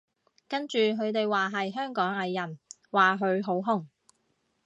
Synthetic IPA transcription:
kɐ˥nt͡ʃyː˨ɦɵ˨˧ɥt̪e˨jwaː˨ɦɐ˨jɦœː˥ŋkɔː˨˥ŋɐ˨˧jːɐ˨˩n | waː˨˩ɦɵ˨˧ɥɦo˨˥wɦʊ˥˩ŋ

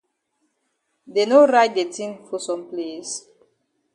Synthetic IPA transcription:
de˨noɾaɪt̚de˨tʰĩ˦ŋfɔ˨sɔ̃˨mples

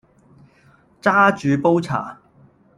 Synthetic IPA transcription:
t͡saː˥t͡ʃyː˨˧po˥wt͡sʰa̰ː˨˩

